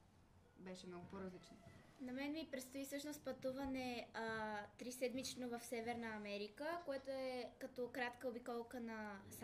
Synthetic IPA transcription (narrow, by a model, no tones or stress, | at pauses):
bɛʃɛmnɔɡʊpoɾɐzlit͡ʃnonɐmɛnmipɾɛt̪st̪oisɤʃnost̪̚pɐt̪uvɐnɛ | t̪ɾisɛd̪mit͡ʃnovɐfsɛvɛɾnəːmɛɾikəkoɛt̪oɛkɐt̪ɔkɾat̪kəobikɔlˠkənɐs